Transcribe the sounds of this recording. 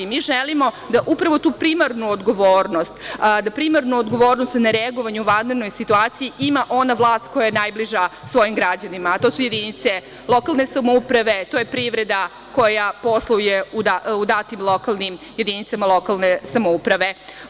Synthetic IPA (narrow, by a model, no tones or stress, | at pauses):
miʒɛlimo̞ | d̪aʔupɾaʋo̞t̪uːpɾimaɾnuod̪ɡo̞ʋoːɾnost̪d̪apɾimaɾnuod̪ɡo̞ʋo̞ːɾnost̪naɾeaɡoʋaɲuʋad̪neɾno̞jsit̪uaːt̪ijiʔimaʔo̞naʋlˠaːst̪ko̞jajenaːjbliʒasʋo̞jimɡɾad͡ʑanimat̪o̞ːsuje̞d̪init̪se̞ | lˠo̞kalˠne̞samoupɾaʋe̞t̪ojepɾiʋɾe̞d̪a | ko̞japo̞slˠoujeud̪aud̪at̪imlˠo̞kalˠnim | je̞d̪init̪samalˠo̞kalˠnesamoupɾaʋe̞